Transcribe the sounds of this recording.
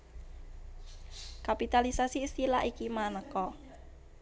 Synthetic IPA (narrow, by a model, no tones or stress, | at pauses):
kapit̪alisasiːst̪ilaʔikimanəkɔ